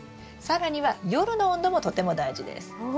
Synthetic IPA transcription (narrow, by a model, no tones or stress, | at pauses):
saɾaɲ̟iβajo̞ɾɯ̟no̞õnd̪o̞mo̞t̪o̞t̪e̞mo̞d̪aiʑid̪ḛsɨ̥